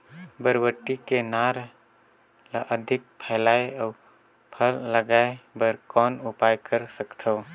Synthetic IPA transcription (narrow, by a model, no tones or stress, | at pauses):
bəɾwəʈːikenaːɾ | lʔəd̪ʱɪk̚pʰɛːlaːeɔː | pʰəlːəɡaːebəɾkɔːnʊpaːjkəɾsəkt̪ʰo